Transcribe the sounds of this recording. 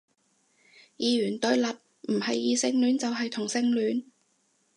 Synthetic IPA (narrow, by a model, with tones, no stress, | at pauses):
jiː˨˧ɥyː˨˩nt̪ɵ˨˥ɥlɐ˨t̚ | m̩˨˩hɐ˨jːiː˨˧sɪ˧ŋlyː˨˥nt͡sɐ˨wɦɐ˨jt̪ʰʊ˨˩ŋsɪ˧ŋlyː˨˥n